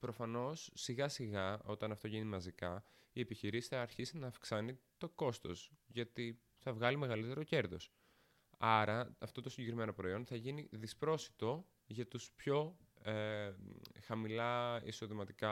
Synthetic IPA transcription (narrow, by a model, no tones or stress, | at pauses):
pɾo̞fɐno̞sːiɣɐsiɣɐo̞t̪ɐnɐft̪o̞ʝinimɐzikɐ | ie̞piçiɾisi̥θɐːɾçisinɐːfksɐnit̪o̞ko̞st̪o̞̰sʝɐt̪i | θɐvɣɐlime̞ɣɐlit̪e̞ɾo̞ce̞ɾðo̞̰s | ɐɾɐːft̪o̞t̪osiɲɟekɾime̞no̞pɾo̞io̞nθɐʝiniðispɾo̞si̥t̪o̞ | ʝɐt̪uspço̞e | xɐmilɐḭso̞ðimɐt̪ikɐ